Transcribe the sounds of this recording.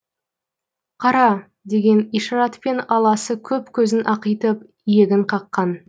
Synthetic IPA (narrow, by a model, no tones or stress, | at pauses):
qʰɑɾɑ | d̪e̞ɡʲe̞nijʃɑɾɑt̪pe̞nɑlˠɑsəkʲʰɵpkʲʰɵzɪnʔɑqəjt̪əp̚ | ijeɡʲɪɴqʰɑqːɑn